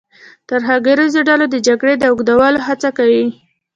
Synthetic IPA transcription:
t̪aɾɦɑɡaɾizoɖɑlod̪əd͡ʒaɡɽed̪əʊɡd̪awəloɦat͡sakawi

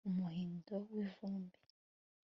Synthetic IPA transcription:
umuhiːndowivuːmbi̥

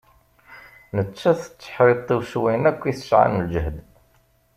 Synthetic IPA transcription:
nət͡ʃːæθə̥t͡sːə̥ħɾit̪ˤːiwʃwæjnækʷːiθə̥ʃʕa̰nəld͡ʒəhd̪

